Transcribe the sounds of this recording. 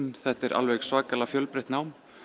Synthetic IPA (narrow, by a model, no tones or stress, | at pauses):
nθɛht̪ɛɾʔa̰lvejɣsvaːkalafjœlpɾɪht̪nawm